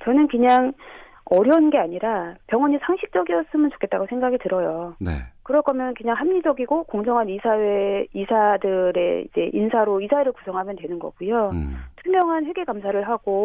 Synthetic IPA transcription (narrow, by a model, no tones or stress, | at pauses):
t͡ɕʌnɯnkɯɲaŋ | ʌɾjʌnɡe̞aɲiɾapjʌŋwʌɲisʰaŋɕʰik̚t͡ɕ͈ʌɡiʌs͈ɯmɯnt͡ɕo̥kʰet͈aɡosʰe̞ŋɡaɡitɯɾʌjonḛkɯɾʌɭk͈ʰʌmjʌnkɯɲaŋhamɲid͡ʑʌɡiɡokoŋd͡ʑʌŋɦanisʰaweisʰadɯɾe̞̰ḭd͡ʑe̞̰ʔinsʰaɾoisʰaweɾɯɭkusʰʌŋɦamjʌntwe̞nɯnɡʌ̰ɡujotʰumjʌŋɦanɸwe̞ɡe̞kamsʰaɾɯɭɦaɡo